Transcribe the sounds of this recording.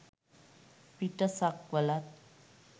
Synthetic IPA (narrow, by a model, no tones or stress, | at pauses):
piʈəsakʋəlat̪̚